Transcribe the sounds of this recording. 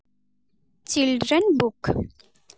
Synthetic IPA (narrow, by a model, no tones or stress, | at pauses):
t͡sːild͡ʒænbuk